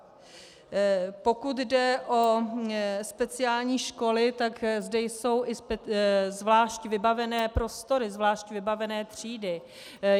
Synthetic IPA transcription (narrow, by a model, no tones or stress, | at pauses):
po̞kut̪dɛʔo̞ | spɛt͡sɪaːlɲiːʃko̞lɪt̪akzdɛjso̞wʔɪspzvlaːʃcvɪbavɛnɛːpɾo̞st̪o̞ɾɪzvlaːʃcvɪbavɛnɛːt̪r̝̥iːdɪ